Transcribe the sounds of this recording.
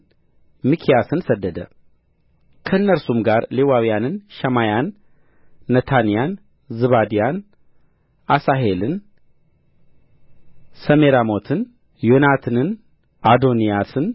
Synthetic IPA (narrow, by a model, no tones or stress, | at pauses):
mikʰijasɨnsəd̪ːəd̪ə̰ | kʰəɨnːəɾsumɡaɾlewawijanɨnʃɛmajanː | ət̪ʰanijan | zɨβad̪ijan | ʔasaɦelɨn | səmeɾamo̞t̪ʰɨn | jonat̪ʰɨnɨn | ʔad̪o̞nijasɨn